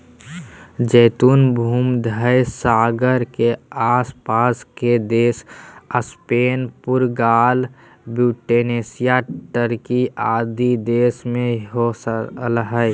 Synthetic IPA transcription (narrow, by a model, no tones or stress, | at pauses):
d͡ʒəːt̪uːnbʱuːmd̪ʱəjsaːɡəɾkeaːspaːsked̪eːsəspeːnpʊɾɡaːl | buːʈeneːsijaʈəɾkiaːd̪id̪eːsmẽɦoləɦəj